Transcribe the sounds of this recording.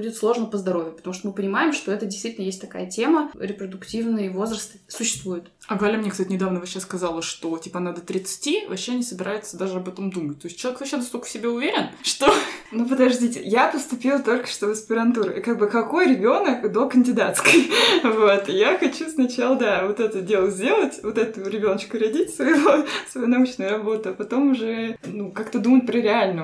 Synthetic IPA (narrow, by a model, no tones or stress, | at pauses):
budʲɪt̪slˠo̞ʐnəpəzd̪ɐɾo̞vʲjɪpət̪ɐmuʂt̪omɨpənʲɪmaɪmʂt̪o̞ɛt̪ədʲɪst̪vʲitʲlnəjesʲtʲt̪ɐka̰jətʲe̞məɾʲɪpɾəd̪ʊktʲivnɨjvo̞zɾəst̪ɨ̥sʊɕːɪ̥st̪vujɪt̪ | ɐɡəvɐɾʲamnʲekst̪atʲɪnʲɪd̪avnəvɐɕaskɐzalˠəʂt̪o̞tʲipənad̪ət̪ɾʲɪt̪sɨ̥tʲivɐɕːenʲɪsəbʲɪɾʔajɪt̪səd̪aʐɨɐbɛt̪əmd̪umətʲt̪o̞ɪs̚ʲt͡ɕɪlˠɐekvɐɕːed̪ost̪okə̥fsʲɪbʲeʊvʲeɾʲɪnʂt̪onup̬əd̪ɐʐdʲitʲɪ̰japəst̪ʊpʲilˠt̪o̞lʲkə̥ʂt̪ovəspʲɪɾɐnt̪uɾkaɡ̚bɨkɐko̞jɾʲɪbʲo̞nəkd̪o̞kənʲdʲɪd̪at̪skəjvo̞t̪jaxɐt͡ɕusnɐt͡ɕalˠəd̪avot̪ɛt̪ədʲe̞lˠəzʲdʲe̞lˠətʲvo̞t̪ɛt̪ʊɾʲɪbʲo̞nət͡ɕkʊɾɐdʲitʲsvɐjɪvosvɐjunɐut͡ɕnɨjrɐbo̞t̪ʊɐpɐt̪o̞mʊʐɛnukakt̪əd̪umət̚ʲpɾəɾʲɪalʲnə